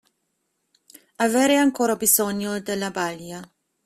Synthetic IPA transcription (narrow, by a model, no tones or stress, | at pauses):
aveːɾeaŋkoːɾabizɔɲːod̪elːabalja